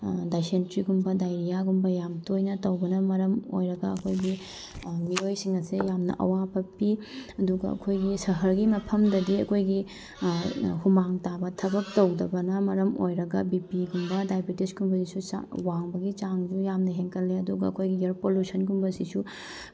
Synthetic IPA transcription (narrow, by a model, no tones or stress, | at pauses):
dajsentɾiɡumbɐdajɾijaɡumbɐjamtojnɐtɐwbɐnɐmɐɾɐmo̰jɾɐɡɐɐkʰojɡi | miojsiŋɐsejamnɐ̰ʔɐ̰wapɐpiɐduɡɐɐ̰kʰojɡisɐɦɐɾɡimɐpʰɐmdɐdiɐkʰojɡi | humaŋtabɐtʰɐbɐk̚tɐwdɐbɐnɐmɐɾɐmojɾɐɡɐbipiɡumbɐdajbitisɡumbɐsisua̰waŋbɐɡit͡ʃaŋd͡ʒujamnɐɦeŋkɐlːeɐduɡɐːkʰojɡieɾpoljusɐnɡumbɐsisu